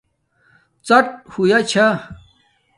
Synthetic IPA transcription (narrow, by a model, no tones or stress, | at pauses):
t͡sɐʈ̚hujat͡ɕʰa